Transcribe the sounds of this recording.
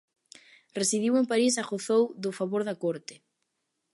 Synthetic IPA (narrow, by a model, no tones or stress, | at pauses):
resiðiwempaɾis̬aɣoθowðʊfaβoɾðakoɾt̪ɪ̥